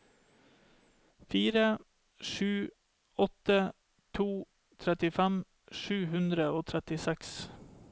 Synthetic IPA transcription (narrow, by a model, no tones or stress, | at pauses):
fiːɾə | ʃʉː | ɔt̪ə | t̪ʰuː | t̪ʰɾɛt̪ɪfæm | ʃʉːhʉnd̪ɾəoːt̪ʰɾɛt̪ɪsɛks